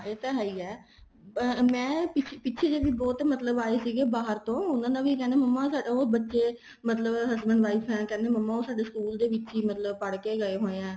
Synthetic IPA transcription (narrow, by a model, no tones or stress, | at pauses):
eːt̪ɛːɦaiːɛː | mɛ̃ːpɪpɪːʃʰeːd͡ʒeːʋiːbɔːt̪mət̪ləbaːeːsiːɡeːbaːɦəɾt̪õːʊnãːd̪aːʋiːkɛːneːməmːaːsaːɖaobətːʃeː | mət̪ləbɦəsbənd̪ʋaːiːpʰɦɛ̃ːkɛ̃ːneːməmːaːoːsaːɖeːsə̥kuːld̪eːʋɪtːt͡ʃiːmət̪ləbpəɽkeːɡəeːɦoːeɛ̃ː